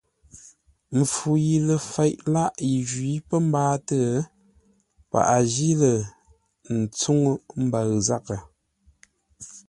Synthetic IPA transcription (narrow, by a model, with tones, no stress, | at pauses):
m̩˨fu˨ji˨lə˨fɛ˨jʔla˦ʔji˨ʒɥi˨˦pə˦m̩˦baː˦tə˦˨ | pa̰˨ʔa˨ʒi˦lə˨ | n̩˨t͡su˦ŋ˦m̩˦ba˨ɣza˦kə˨